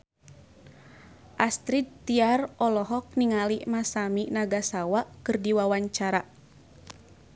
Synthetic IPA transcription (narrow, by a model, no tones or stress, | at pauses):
ʔast̪ɾid̪̚t̪iarɔlɔɦɔk̚niŋaliʔmasaminaɡasawaʔkɨrdiwawaɲt͡ʃaɾa